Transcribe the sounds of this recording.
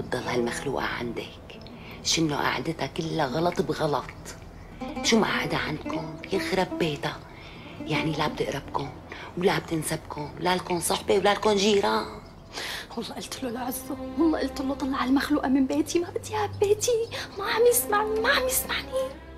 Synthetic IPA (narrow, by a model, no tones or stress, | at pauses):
ɑd̪ˤːɑlhalmaxlṵːʔa̰ʕa̰nd̪a̰k | ʃɪnːo̰ʔa̰ʕa̰d̪ɪt̪akɪlːaɣɑlɑt̪ˤbɣɑlɑt̪ˤ | ʃuːmʔa̰ʕad̪aʕand̪kʊnjɪnxɾˤɑbbːeːt̪a | jaʕnilab̚t̪ɪʔɾˤɑbkʊnwlab̚t̪ɪnsabkʊnwlalkonsˤɑħbewlalkonʒiːɾa | wɑlˤːɑʔɪlt̪lolaʕɪzːɑwɑlˤːɑːʔɪlt̪ɪlːot̪ˤɑlːɑʕalmaxluːʔamɪmbeːt̪imaʔat̪ihabːeːt̪imaʕamjɪsmaʕnimaʕamjɪsmaʕni